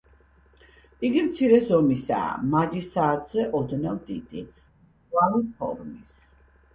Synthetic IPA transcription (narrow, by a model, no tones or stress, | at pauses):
iɡimt̪sʰiɾɛzɔmisa̰ːmad͡ʒisaːt̪ʰz̥ɛʔɔd̪navd̪id̪̥i | alipʰɔ̰ɾmis